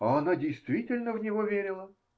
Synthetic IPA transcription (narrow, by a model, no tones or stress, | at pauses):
ɐɐnadʲɪjst̪vʲitʲɪlʲnəvnʲɪvovʲeɾʲɪlˠə